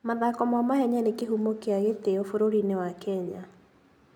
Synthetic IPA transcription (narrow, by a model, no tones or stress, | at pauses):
maðakɔmamaɦɛɲanekeɦumokeaɣeteofoɾoɾinewakɛɲa